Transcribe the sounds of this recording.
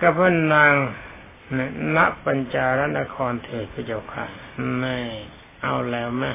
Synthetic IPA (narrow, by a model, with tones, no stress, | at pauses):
ka˧˩pʰɯ˥˨nːaː˧ŋ | n˧˩na˦˥ʔpa˧nt͡ɕaː˧ɾa˦˥na˧kʰɔː˧nt̪ʰɯː˨˩kʰu˧˩t͡ɕa˧˩kʰa̰˧˩na˧˩˨ | ʔa˧wlɛː˦˧˥wma˦˩˨